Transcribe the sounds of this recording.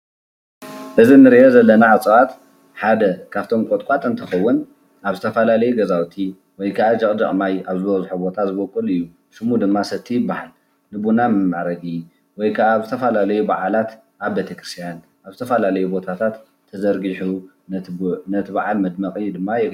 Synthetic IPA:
ʔɨzinɨɾiʔozɐlːɐnaʕat͡sʼβat̪ | ħad̪ɐkʰaβt̪ʰo̞mkʼot̪ʼkʼat̪ʼɨnt̪ʰɨxɐwːʊn | ʔaβzɨt̪ʰɐfɐlalɐjuɡɐzawt̪ʰi | wɔjkʰaʕad͡ʒɐkʼd̪ɐʔʼmajaβzɨβɐzħubo̞t̪ʰazɨβokʼːɨlɨjːu | ʃɨmud̪ɨmːasɐt̪ʰːijɪbːahal | nɨbunamɨmːaʕɾɐɡi | wɔjkʰaβaβzɨt̪ʰɐfɐlalɐjubaʕalat̪ | ʔaβbet̪ʰɐkɾɨst̪ʰijan | ʔaβzɨt̪ʰɐfɐlalɐjubo̞t̪ʰat̪ʰat̪ʰː | ɐzɐɾɡiħu | nɐt̪nɐt̪ʰɨβaʕalmɐd̪mɐχʼid̪ɨmːajɛk

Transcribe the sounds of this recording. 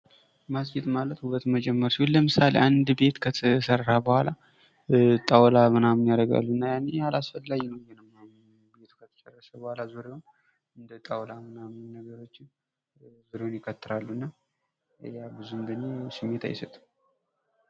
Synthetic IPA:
masd͡ʒet̪malət̪hubət̪məd͡ʒɛmːəɾsihulləmɨsalḛʔand̪be̞t̪kʰəsərːabəhʷala | t̪ʼawlamɨnamɨnjaɾəɡa̰lːunːajanːejalasfəlːaɡinəwjɛnəmːaj | be̞t̪ʰu̥kʰət̪ʰə̥t͡ʃʼɛrːəʃəbəhʷalazuɾewon | ɨnd̪ət̪ʼawlamɨnamnnəɡəɾo̞t͡ʃːɪn | zuɾenjɪkʰːət̪ːɨɾalːuɨnːa | jabɨzuɨnd̪ənːesɨmːe̞t̪ʰa̰jɪsət̪ʼ

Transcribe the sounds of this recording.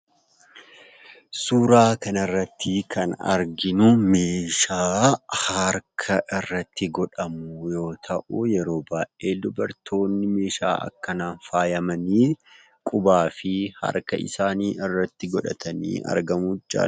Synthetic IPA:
suːɾaːkɐnɐrːɐt̪ʰːɪkʰɐnɐ̰ɾɡɪnʊme̞ːʃaːhɐɾkʰɐʔɪrːɐt̪ːɪɡɔᶑɐmujo̞ːt̪ʰɐʔujɛɾo̞ːbaːʔeːd̪ʊbɐɾt̪ʰo̞ːnːɪme̞ːʃa̰ːʔɐ̰kːɐnaːnfaːjɐmɐniː | kʼʊbaːfɪhɐ̰ɾkɐ̰ʔɪ̰saːniːʔɪrːɐt̪ːɪɡɔᶑɐt̪ʰɐnḭːɐ̰ɾɡɐmud͡ʒa̰ː

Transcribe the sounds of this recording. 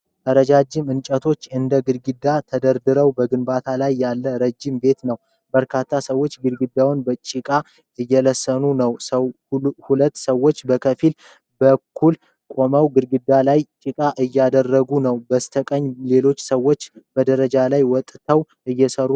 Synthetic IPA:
ʔəɾəd͡ʒad͡ʒːɪmɨnt͡ʃʼət̪ʰo̞t͡ʃːɨnd̪əɡɨɾɡɨd̪ːat̪ʰəd̪əɾd̪ɨɾəwbəɡɨnbat̪ʰalajːalːəɾəd͡ʒːɪmbe̞t̪nəw | bəɾkʰat̪ʰːasəwːo̞t͡ʃːɡɨɾɡɨd̪ːawnbət͡ʃʼɪkʼa | ɨjːɛləsːənunəws | hulət̪ːsəwːo̞t͡ʃːbəkʰəfil | bəkʰːul | kʷʼo̞məwɡɨɾɡɨd̪ːalajt͡ʃʼɪkʼaʔɨjːad̪ərːəɡunəwbəst̪ʰəkʼəɲːle̞lo̞t͡ʃːsəwːo̞t͡ʃːbəd̪əɾəd͡ʒalajwɔt̪ʼt̪ʰəw | ʔɨjːɛsəɾu

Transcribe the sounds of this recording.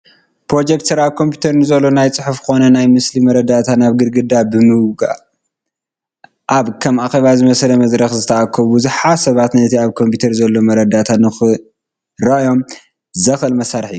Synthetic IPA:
pɾo̞d͡ʒek̚t̪sɨɾaβkʰo̞mpʰju̥t̪ʰɐɾnɨzɐlːo̞najt͡sʼɨħufkɨxo̞nɐnajmɨslimɐɾɐd̪at̪ʰanaβɡɨɾɡɨd̪abɨmɨwɡa̰ | ʔaβkʰɐmʔaxeβazɨmɐslɐmɐzɾɐxzɨt̪ʰɐʔakʰːɐβɨzɨħasɐβat̪nɐt̪ʰiaβkʰo̞mpʰit̪ʰɐɾzɐlːo̞mɐɾɐd̪at̪ʰanɨxɨ | ɾɐʔjo̞m | zɐxɨlmɐsaɾħijːu

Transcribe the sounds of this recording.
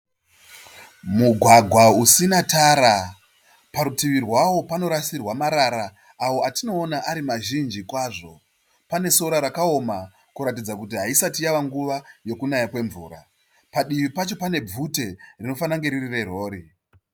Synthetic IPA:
muɡʱwaɡʱwausinataɾa | paɾutiʋirwawo̞pano̞ɾasirwamaɾaɾa | awoatino̞ːnaʔaɾimaʒind͡ʒikwaʐo̞ | pane̞so̞ɾaɾakao̞ma | kuɾatid͡zakut̬iɦaisatijaʋaŋɡuʋajo̞kunajakwe̞ɱvṵːɾa̰ | paɗiʋipat͡ʃo̞pane̞b͡vute̞rino̞fanaŋɡe̞ɾirire̞ro̞ːɾi

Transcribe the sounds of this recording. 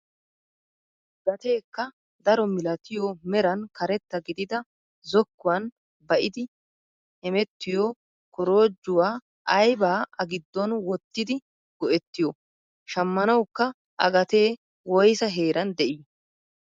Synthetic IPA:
ɡɐt̪e̞ːkːɐ | d̪ɐɾɔmɪlɐt̪ɪjomɛɾɐnkɐɾɛt̪ːɐɡɪd̪ɪd̪ɐ | zɔkːʊwɐn | bɐʔɪd̪ɪ | hɛmɛt̪ːɪjoː | kɔɾo̞ːd͡ʒːʊwaː | ʔɐjbaːɐɡɪd̪ːɔnwɔt̪ːɪd̪ɪ | ɡ̥ɔʔɛt̪ːɪjɔ | ʃɐmːɐnɐwkːɐ | ʔɐ̰ɡɐt̪eː | wɔjsɐɦe̞ːɾɐnd̪ɛʔɪj

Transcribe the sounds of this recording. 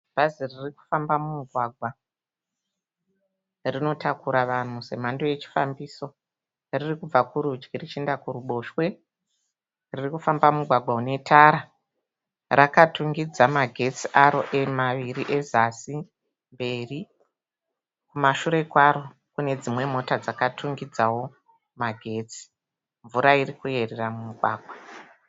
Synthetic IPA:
b̥ʱaziririku̥fambamumuɡʱwaɡʱwa | rino̞takuɾaʋan̤use̞̰m̤andoje̞t͡ʃi̥fa̰mbiːso̞ | ririkub͡vakuɾud͡ʒɡirit͡ʃendakuruɓo̞ʃwe̞ | ririkufambamumuɡʱwaɡʱwaune̞tʰaɾa | rʔakatuŋɡid͡zamaɡʱe̞t͡siʔaɾo̞ʔemaʋiɾiʔe̞zasi | mbe̞ːri | kumaʃuɾe̞kwaɾo̞ | kune̞d͡zimwe̞mo̞tad͡zakatʰuŋɡid͡zawo̞ | maɡʱe̞ːt͡si̥ | ɱvuɾairikue̞reramumuɡʱwa̰ːɡʱwa

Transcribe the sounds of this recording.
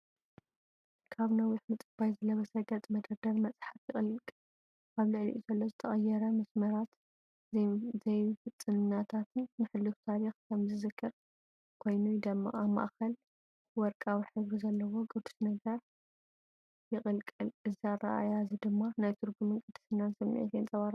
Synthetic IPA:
kʰaβnɐwiħmɨt̪ʼɨbajzɨlɐβɐsɐɡɐt͡s̪ʼmɐd̪ɐɾd̪ɐɾmɐt͡sʼħafjɪχʼɨlkʼ | ʔaβlɨʕlḭʔuzɐlːozɨt̪ʰɐχʼɐjɛɾɐmɐsmɐɾat̪ | zɐjfɨt͡s̪ʼːɨnɨnːat̪ʰat̪ʰɨnːɨħɨlːɨft̪ʰaɾixkʰɐmzɨzɨkʰːɨɾ | kʰo̞jnujd̪ɐmːa̰ʔama̰ʔxɐl | wɔɾkʼawiħɨβɾizɐlːɐwo̞ɡʼɨd̪u̥snɐɡɐɾ | jɪχʼɨlkʼɨlɨziara̰ʔa̰jazid̪ɨmːanajt̪ʰɨɾɡumɨkʼɨd̪ɨ̥sɨnːansɐmːḭʕḭt̪ʰjent͡sʼɐβaɾa

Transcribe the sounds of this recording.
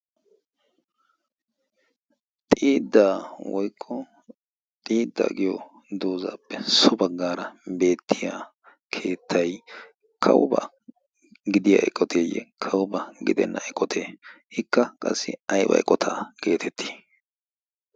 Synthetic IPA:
t̪ʼiːd̪ːaːwɔjkʼːɔ | t̪ʼiːd̪ːɐ̰ɡɪjɔ | d̪oːza̰ːpːɛsʊbɐɡːaːɾɐbe̞ːt̪ʰːɪja | kʰe̞ːt̪ʰːɐj | kʰɐ̰wʊbɐ | ɡɪd̪ɪja̰ːʔɛ̰kʼːɔt̪ʰeːjɛ̰kʰɐwbɐɡɪd̪ɛnːʔɐɛkʼːɔt̪ʰeːhɪkːɐkʼɐsːɪ̰ɐjbɐ̰jkʼɔt̪ʰaːke̞ːt̪ʰɛt̪ʰːi̥ː

